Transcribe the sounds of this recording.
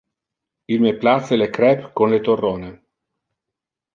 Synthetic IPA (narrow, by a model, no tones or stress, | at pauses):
ilmeplat̪selekɾɛpkonlet̪orːoːne